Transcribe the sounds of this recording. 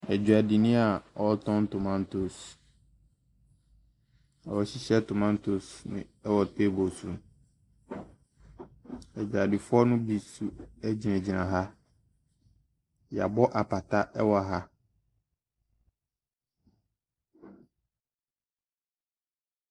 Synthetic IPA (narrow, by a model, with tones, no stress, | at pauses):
ɛ˨d͡ʑᶣu˨a˨di˨nɪ̃˦a˨ɔ˨˦tʰɔ̃˦n˦tʊ˨mã˦n˦tʰo˨s | a˨wɔ˨ɕi˦ɕɛ˦tʊ˨mã˦n˦tʰo˨snɪ̰̃˨ɛ˦wɔ˨tɛ˦bo˨sũ˨n | ɛ˨d͡ʑᶣa˨dɪ˨fʊ˦ɔ˦nʊ̃˦bi˨su˦æ˦d͡ʑi˨nɛ̃˨d͡ʑi˨nã˨ɦa˦ | ja̰˨bɔ˦ʔa˨pa˨tʰa˦ʔɛ˦wɔ˦a˨ɦa˦